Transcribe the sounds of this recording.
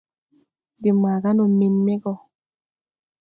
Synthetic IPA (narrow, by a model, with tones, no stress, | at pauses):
di˨maː˨ɡa˦no˨mi˨nme˦ɡɔ˨